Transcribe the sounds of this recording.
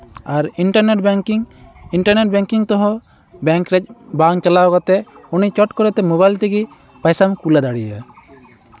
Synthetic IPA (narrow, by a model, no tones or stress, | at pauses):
aɾiɳʈaɾneʈbŋiɳʈaɾneʈ̚bɛŋkiŋt̪ɔɦɔ̃ | bɛŋkɾɛc̚ˀbaŋt͡ʃalawkat̪ɛunit͡ʃɔʈkɔɾɛt̪ɛmɔβajlt̪iɡi | pajsamkulad̪aɽijə̰